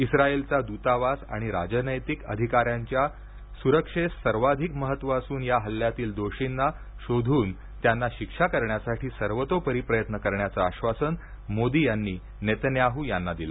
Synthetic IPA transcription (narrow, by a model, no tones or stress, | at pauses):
isɾaelt͡sad̪ut̪aʋasa̰ɽ̃iɾad͡ʑənəjt̪ikə̰d̪ʱikaɾjaɲt͡ɕja | suɾəkʂessəɾʋad̪ʱikməɦət̪ʋəəsuːnjaɦəlːjat̪iːld̪oɕinːa | ɕod̪ʱuːn | t̪janːaɕikʂakəɾɳjasaʈʰiːsəɾʋət̪opəɾipɾəjət̪nəkəɾɳjat͡saːɕʋasən | mod̪iːjanːiː | net̪njaɦuːjanːad̪ila